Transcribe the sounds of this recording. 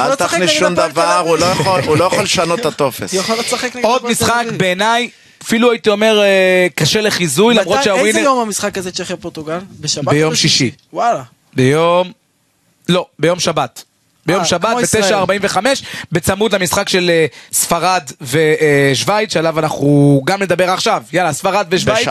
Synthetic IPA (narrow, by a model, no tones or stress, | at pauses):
at̪aχnisʃumd̪avaʁulojaχolulojaχolʃanot̪ːat̪o̞fesjolsaχeknɡo̞d̪misχakbe̞ːnaj | afiluait̪io̞me̞ʁekaʃele̞χizujlamʁotʃeawinejomamisχakazet͡ʃeχjapot̪uɡalbʃbejo̞mʃiʃi | wala | bejom | lo̞be̞jo̞mʃabat̪ | bejomʃabat̪bet̪eʃaːʁbaimveχame̞ʃbe̞t͡samud̪lamisχakʃe̞lesfaʁad̪veʃvajt̪ʃealavanaχuɡamne̞d̪abe̞ʁaχʃavjalasfaʁad̪veʃvajt